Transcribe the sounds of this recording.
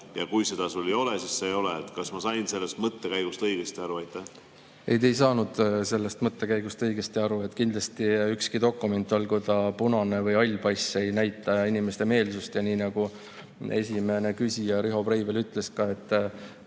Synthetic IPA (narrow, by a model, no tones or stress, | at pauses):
jɑkujse̞d̪ɑsulːijo̞lesissejo̞leːt̪kɑsmɑsɑjnse̞lːest̪mɤt̪ːekæjɡ̥ust̪ɤjɡ̥est̪iɑɾuɑjt̪ːæh | ejt̪e̞js̬ɑːnud̪̥se̞lːest̪mɤt̪ːe̞kæjɡ̥ust̪ɤjɡ̥e̞st̪iɑɾue̞t̪ːˑkind̪lɑst̪iykskid̪o̞kːˑume̞nt̪ːˑo̞lkujt̪ɑpunɑne̞vɤjɑlʲpɑjsejnæjt̪ːˑɑinime̞st̪e̞me̞ːlsust̪jɑniːnɑɡ̥u | e̞sʲime̞ne̞kysʲijɑɾiɦo̞pɾejvelyt̪ˑle̞skɑe̞t̪ːˑ